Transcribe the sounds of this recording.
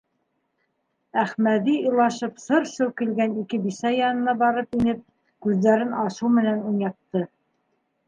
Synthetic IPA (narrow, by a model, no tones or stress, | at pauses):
æχmæðiɤlˠɑʃɤpsɤɾʃɵwkilɡænikɘbisæjɑnɤ̆nɑbɑɾɤpinɘp̚ | kʉðːæɾɘnɑʃuwmɘ̆nænunɑq̚t̪ɤ